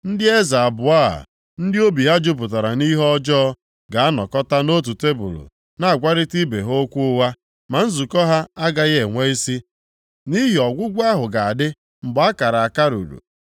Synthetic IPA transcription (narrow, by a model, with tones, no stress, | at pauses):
n̩˦dɪ˦e˦za˨a˨bʊ˨a˦a̰˨ | n̩˦dɪ˦o˦bi˨ɦa˦d͡ʒʊ˦p̬ʊ˨t̬a˨ɾa˨ni˦ɦɔ˦d͡ʒɔ˦ | ɡa˨a˦nɔ˨kɔ˦ta˦no˦t̬u˨te˦bṵ˨ɾṵ˨ | na˨a˨ɡʷa˦ɾɪ˦ti˦be˨ɦo˦kʷu˦ʊ˦wa˦ | ma˨n̩˦zu˨kɔ˦ɦa˦a˦ɡa˦ɣe˨ŋʷe˦i˦si˦ | ni˦ɦi˨ɔ˨ɡʷʊ˦ɡʷa˦ɦʊ˨ɡa˨a˨dɪ˦ | m̩˨ɡ͡ba˦ka˨ɾa˨a˨ka˦ɾṵ˨ɾṵ˨